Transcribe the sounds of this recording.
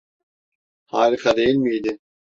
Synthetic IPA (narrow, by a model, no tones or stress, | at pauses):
haːd̪iqɑd̪ejilʲmijd̪ɪ